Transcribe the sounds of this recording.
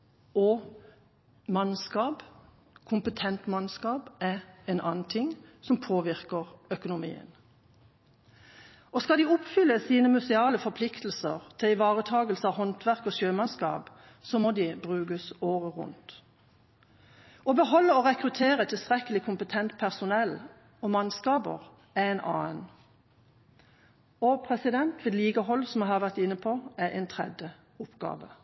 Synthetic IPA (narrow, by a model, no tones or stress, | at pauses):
ɔ | mɑnskɑːb | kʰʊmpət̪ʰɛnt̪mɑnskɑːbɛɛnʔɑ̰ːnn̩t̪ʰɪŋsɔmpʰoːʋɪʁkəʁœkʊnʊmḭːə̰n | ʔɔskɑld̪iːʊpfʏlːəsiːnəmʉsɪɑːləfɔpʰlɪkt̪l̩sə̰ʁt̪ʰɪlɪʋɑːʁət̪ʰɑːɡəlsəɑʋɦɔnt̪ʋæʁkɔːʃøːmɑnskɑ̰ːb | sɔmɔd̪ibʁʉːɡəsoːʁəʁʊ̰nt̪ | ɔbəhɔlːəoʁɛkʁʉt̪ʰeːʁət̪ʰɪlst̪ʁɛkəlɪkʰʊmpət̪ʰɛnt̪pʰæʁsʊnɛl | ɔmɑnskɑːbə̰ʁ | æɛnʔɑːən | ɔpʰʁɛsɪd̪ɛnt̪ʋeːd̪liːɡəɦɔlsɔmɑhɑʋæʁt̪ɪnːəpʰɔæʔɛ̰ɪnt̪ʰʁɛ̰d̪jə | ʊpɡ̥ɑ̰ːʋə̰